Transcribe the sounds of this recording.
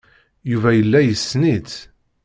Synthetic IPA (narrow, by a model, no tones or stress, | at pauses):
juvæjəlːæjəsːnit͡s̪